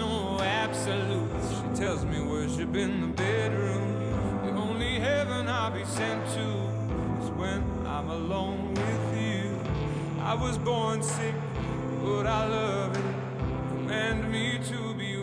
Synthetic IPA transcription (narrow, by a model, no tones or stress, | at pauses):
o | æb̥səlut | ʃitʰɛlˠzmiwə˞zɨbɪ̃nðəbɛdɹũm | ðiõʊ̃nliɦɛvə̃naɪbisɛ̃ntʰu | ɪzwɨ̃n | ã̰ɪ̃məlõʊ̃nwɪðjʉ | ʔa̰ɪwʌzbɔɹnsɪk̚ | bʌɾaɪlʌ | vɪt̚ | mæ̃ndmiɾɨbi